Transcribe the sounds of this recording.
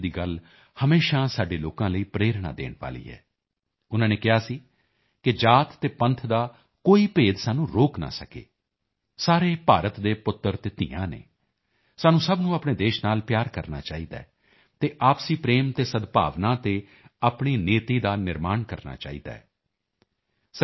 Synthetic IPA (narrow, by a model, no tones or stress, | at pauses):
d̪iːɡəl | həmeːʃaːsaːɖeːloːkãːləiːpɾeːɾɽa̰ːd̪ḛːɳʋa̰ːlḭːɦɛ̰ː | ʊnãːneːkɪɦaːsiː | kɪd͡ʒaːt̪ːeːpə̃nt̪ʰd̪aː | koːiːpeːd̪saːnũːɾoːkna̰ːsəkḛː | saːɾeːpaːɾət̪d̪eːpʊt̪ːəɾt̪eːt̪ɪːã̰ːnḛː | saːnũːsəbnũːapɳeːd̪eːʃnaːlpjaːɾkəɾna̰ːt͡ʃaːiːd̪a̰ːɛ | t̪eːʔaːpsiːpɾeːmt̪eːsəd̪pa̰ːʋnãːt̪eː | aːpɳiːneːt̪iːd̪aːnɪɾmaːɳkəɾna̰ːt͡ʃa̰ːḭːd̪a̰ːɛː | s